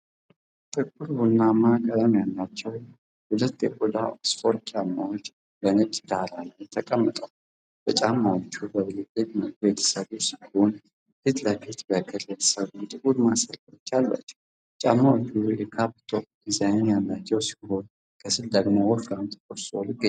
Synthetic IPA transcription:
t̪ʼɨkʼːuɾbunːamakʼət̪ʼamjalːat͡ʃːɛw | hʊlət̪ːjɛkʼulaosfo̞ɾt̪t͡ʃʼamːa̰wo̞t͡ʃː | bənɨt͡ʃʼd̪alanəwt̪ʰəkʼəmːɨt̪ʼəw | b̥ət͡ʃʼamːawot͡ʃːubəβɨlɨt̪ʼɨɲməbet̪ʰə̥səβusihon | hɨt̪ləfit̪bəkʰɨɾjɛt̪ʰə̥səβut̪ʼɨkʼuɾmasəlkot͡ʃːalːa̰t͡ʃː | t͡ʃʼamːawot͡ʃːujɛkʰapt̪ʰop̚ | izajnjalːat͡ʃːɛwsi̥ho̞n | kʰəsɨld̪əɡmowofɾant̪ʰʼkʼosolɨɡːə

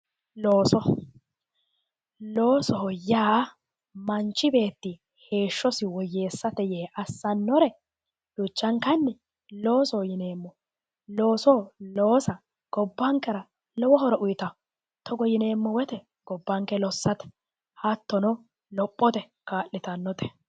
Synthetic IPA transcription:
loːsɔ | lo̞ːsɔɦɔjaː | mɐnt͡ʃːɪbe̞ːt̪ːɪ | he̞ːʃːɔsɪwɔjːe̞ːsːɐt̪ɛjeːʔɐsːɐnːɔɾɛ | d̥ʊt͡ʃːɐŋkɐnːɛ | lo̞ːsɔhɔjɪne̞ːmːɔ | lo̞ːsɔloːsɐ | ɡ̥ɔbːɐŋkːɛɾɐ | lɔwɔɦɔɾɔʔʊjt̪ɐ | t̪ɔɡɔjɪne̞ːmːɔwɛt̪ɛ | ɡ̥ɔbːɐŋkɛlɔsːɐt̪ɛ̥ | hɐt̪ːɔnɔ | lɔpʼːɔt̪ɛ | kaːlːɪt̪ɐnːɔt̪ɛ̥

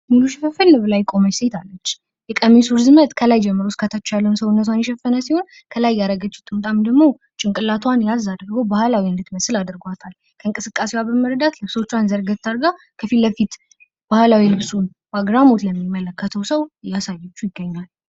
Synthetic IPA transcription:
mɨluʃifɨfɨlːɨblajkʼo̞məset̪ʰalːət͡ʃː | jɛkʼəmisuɾɨzɨmət̪ʼkʰəlajd͡ʒɛmːɨɾoskʰat̪ʰət͡ʃːalːəwnsəwnːət̪ʰʷanjɛʃɛfːənəsiho̞n | kʰəlajːaɾəɡət͡ʃːu̥t̪ʼɨmt̪ʼamd̪əɡmo̞ | t͡ʃʼɪŋkʼɨlat̪ʰwanjazad̪ɨɾɡobahlawiɨnd̪ɨt̪məsɨlad̪ɨɾɡwat̪ʰal | kʰəɨŋkʼɨsɨkʼːasewabəməɾd̪at̪lɨβso̞t͡ʃːwanzəɾɡət̪t̪ʰːaɾɡa | kʰəfilbəfit̪ | b̥ahlawilɨβsun | baɡɾamo̞t̪ləmːimːələkːət̪ʰəwsəwjːasajːɛt͡ʃːujɪɡːəɲːal

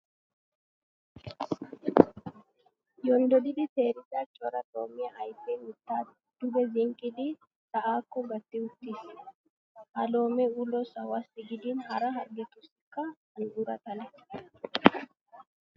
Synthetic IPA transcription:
jɔnd̪ɔd̪ɪd̪ɪt̪eːɾɪzat͡ʃʼɔɾɐt̪ʼo̰ːmɪjɐʔɐjfɛːʊt̪ːaː | d̪̥ʊbɛzɪŋkʼɪd̪ɪ | sɐʔaːkːɔɡɐt̪ːɪʊt̪ːis | ʔɐlo̞ːmɛulɔsɐwasːɪɡɪd̪ɪnhɐɾɐɦɐɾɡɛt̪ʊsɪkːɐɡʊɡʊɾɐt̪ɐnɛ

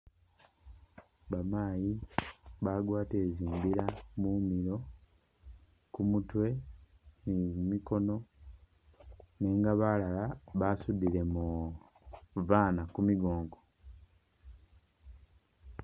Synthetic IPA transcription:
βamaːjiβaɡwaːteːziːmbiɾamumiɾo̞ | kumutwe̞ | mimiko̞no̞ | neːŋɡaβalalaβasudiɾe̞mu | vaːnakumiɡo̞ːŋɡo

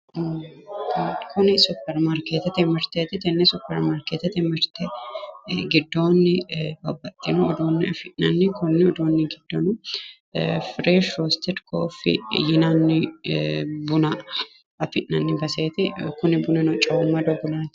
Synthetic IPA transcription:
kʰʊnɪsʊpːɛɾmaɾkeːt̪ɛt̪ɛmɪɾt̪eːt̪ɪt̪ɛnːɛsʊpːɛɾmaːɾkeːt̪ɛt̪ɛmɪɾt̪ɛ | ɡɪd̪ːoːnːɪbɐbːɐt̪ʼːɪnʊːd̪oːnːɪɐfɪʔnɐ̰nːɪkʊnːɪɔd̪oːnːɪɡɪd̪̥ːɔnʊ | fɾeːʃɾoːst̪ɛɾkʰo̰ːfɪ̰jɪnanːɪ | bʊnɐ | ɐfɪʔɐnːɪbɐseːt̪ɪkʊnɪbʊnɪnɔt͡ʃʼɐʊmːɐd̪ɔɡʊlɐnt̪

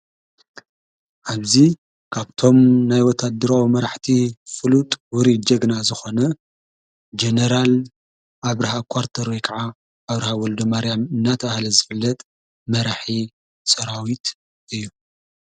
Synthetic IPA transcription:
ʔaβzi | kʰaβt̪ʰo̞mnajwɔt̪ʰad̪ɨɾawimɐɾaħt̪ʰifɨlut̪ʼwʊɾid͡ʒɐɡnazɨxo̞nɐ | d͡ʒenɐɾal | aβɾɐhakʰwaɾt̪ʰɐɾwojkʰaʕaː | βɾɐhawɔld̪omaɾjamɨnːat̪ʰɐβahlɐzɨfɨlːɐt̪ʼ | mɐɾaħi | sɐɾawit̪ | ɨjːu

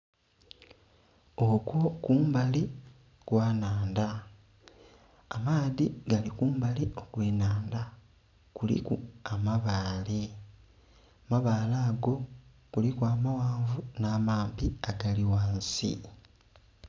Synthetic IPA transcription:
okwo̞kuːmbali | kwaːnaːnda | maːðiɡalikuːmbalio̞kweːnaːnda | kulḭkuamaβaːli | maβaːlaːɡo̞ | kulikwaːmawaːɱvunaːmaːmpiaɡaliwaːnsḭ

